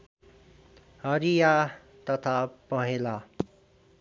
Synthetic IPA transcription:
hʌɾija | t̪ʌt̪ʰapʌɦela

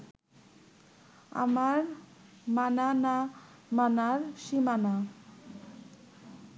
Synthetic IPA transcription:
a̰maɾ | manana | manaɾʃimana

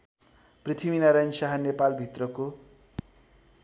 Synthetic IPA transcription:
prit̪ʰiminaɾajnsaɦanepalbʱit̪rʌko

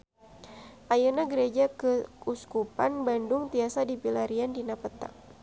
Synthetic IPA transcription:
ʔajunaɡəɾed͡ʒakəuskupanbandʊŋt̪iasadipilaɾiandinapət̪a̰

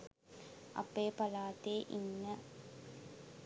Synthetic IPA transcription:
ɐ̰pːeːpɐlaːt̪eːʔinːɐ

